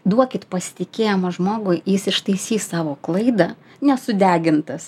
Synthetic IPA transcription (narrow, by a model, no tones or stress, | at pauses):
d̪uɔkʲɪt̪pɐsʲɪ̥t̪ʲɪkʲeːjɛmɐʒmoːɡʊjjɪsɪʃt̪ɐɪsʲiːssɑːʋoːklˠɐɪd̪ɐ | nʲɛsʊd̪ʲæːɡʲɪnt̪ɐs